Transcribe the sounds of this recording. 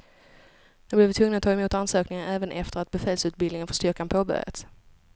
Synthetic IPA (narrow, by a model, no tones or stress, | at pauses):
d̪ɵblɪɾvɪt̪ʰvɵŋnat̪ʰːɑːɛmuːt̪ansøːknɪŋaɾɛːvənʔɛft̪əɾat̪̚bɛfɛːlsʉːt̪̚bɪlnɪŋənfœʂt̪ʏɾkanpʰoːbœ̰ɾjə̰t̪